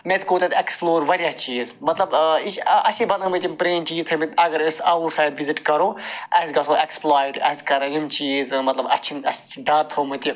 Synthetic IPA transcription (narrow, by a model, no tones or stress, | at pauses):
met̪koːt̪ɐt̪ʲeksploːɾʋɐɽjaːst͡ʃiːzmɐt̪lɐbiɐsibɐnd̪ɐmɨt̪impɾeːmt͡ʃiːzt̪ʰɐmit̪ɐɡɐɾisɐʋɾsaːjɖʋiziʈkɐɾoːɐsɡɐsʰoːeksplaːjʈɐ̰skɐɾɐlimt͡ʃiːzmɐt̪lɐbɐ̰t͡ʃʰimɐst͡ʃʰiɖaːɾt̪ʰɐwmɨt̪i